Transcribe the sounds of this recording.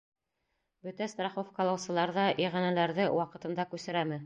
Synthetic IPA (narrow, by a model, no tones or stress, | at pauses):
bɵt̪æst̪rɑχofkɑlˠɑwsɤ̆lˠɑɾðɑʔiʁænælæɾðɘwʔɑqɤ̆t̪ɤ̆nd̪ɑkʉsɘ̆ɾæmɘ